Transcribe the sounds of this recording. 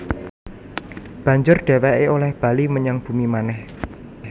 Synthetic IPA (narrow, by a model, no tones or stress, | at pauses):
b̥ä̤ɲd͡ʒʊrɖ̥ɛ̤wɛʔeolɛhb̥ä̤liməɲaŋb̥ṳmimanɛh